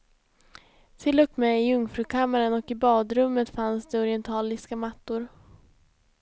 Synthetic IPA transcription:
t̪ʰɪlːɵkmɛɪɵŋfɾʉkʰamːaɾənɔkɪbɑːd̪ɾɵmːət̪fansd̪ɛɔɾɪɛnt̪ʰɑːlɪskamat̪ːʊɾ

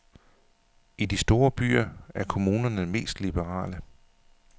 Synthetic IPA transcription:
id̥isd̥o̝ːɐb̥y̰ːɐæɐkʰo̝muːnɐnəme̝̰ːsd̥lib̥əʁɑ̰̈ːlə

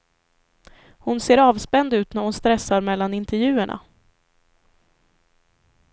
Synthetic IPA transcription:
hʊnseːɾɑːvspɛnd̪ʉ̟ːt̪næɾhʊnst̪ɾɛsːaɾmɛlːanɪnt̪ɛɾjʉ̟ːəɳʔa̰

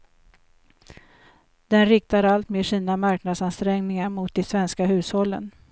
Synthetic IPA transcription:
d̪̥ɛnɾɪk̚t̪aɾalt̪meːʂiːnamaɾknad̪sanst̪ɾɛŋnɪŋaɾmʊt̪̚d̪ɛsvɛnskaɦʉ̟ːshɔlːə̰n

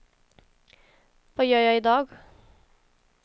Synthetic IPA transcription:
ʋɑːjœːjɑɪɪd̪ɑːɡ

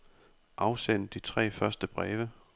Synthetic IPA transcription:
ʔɑ̈ʊsen̰d̥it͡sʰʁɛ̰ːfɶɐsd̥əb̥ʁɛːʋə

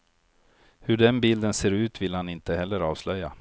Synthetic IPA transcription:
hɵɖɛnbɪld̪ənseːɾʉ̟ːt̪vɪlhanɪnt̪əhɛlːəɾɑːvslœjːa

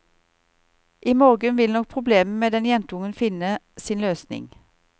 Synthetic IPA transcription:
ʔiːmoːʁɡənʋɪlnɔk̚pʰʁʊbleːməmeːd̪ɛnjɛnt̪əʊŋənfɪnə | siːnløːsnɪ̰ŋ

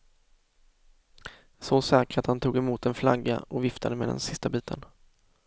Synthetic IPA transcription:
sɔsɛːkəɾat̪hant̪ʰuːɡɛmuːt̪ɛnfla̰ɡːa̰ɔvɪft̪ʰad̪əmḛːd̪ɛ̰nsɪst̪abiːt̪ʰən

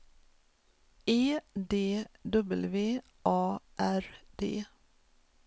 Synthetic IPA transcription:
eːd̪eːd̪œbəlʋeː | ʔɑːʔæɾd̪̥ḛː

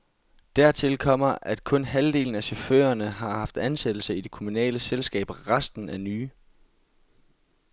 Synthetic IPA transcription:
d̥æɐ̰t͡sʰe̝lkʰɒ̽m̰ɐʔæd̥kʰɔ̽nɦæld̥e̝̰ːln̩æsɒfø̰ːɐnəɦɑ̈hɑ̈fd̥ænsed̥l̩səid̥e̝kʰomunɛ̰ːləselsɡ̥ɛ̰ːb̥ʁɑsd̥n̩ænyː

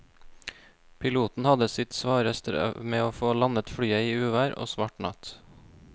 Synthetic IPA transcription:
pʰɪluːt̪n̩hɑd̪əsɪt̪sʋɑːɾəst̪ə̰meːoːfoːlɑnət̪fɽyːəiːʉːʋæːɾo̰ːsʋɑːʈɳɑ̰t̪

